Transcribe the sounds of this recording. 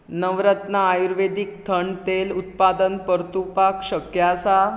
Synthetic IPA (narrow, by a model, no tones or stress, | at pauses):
nəʋɾət̪naːjuɾʋed̪ik̚t̪ʰəɳt̪elut̪̚pad̪ənpəɾt̪upakɕəkjasa